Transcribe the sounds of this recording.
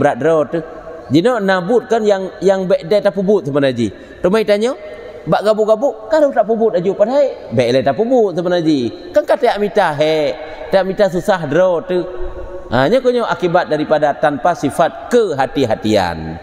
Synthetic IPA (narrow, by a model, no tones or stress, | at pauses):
bəɾat̪̚dɾɔt̪ə | d͡ʒinɔnabʊt̪̚kənjaŋjaŋbɛʔdɛt̪apubʊt̪̚səmənad͡ʒḭ | təmait̪aɲɔ | baʔɡabuʔɡabuʔkanət̪aʔpubʊt̪̚ad͡ʒupadɦaebɛʔlɛt̪aʔpubut̪̚səbənad͡ʒi | kankat̪eaʔmit̪aɦɛʔ | teaʔmit̪as̬usahdɾɔt̪ə | aɲɔkəɲɔʔakibat̪̚daɾipadat̪anpasifat̪̚kəɦat̪iɦat̪ia̰n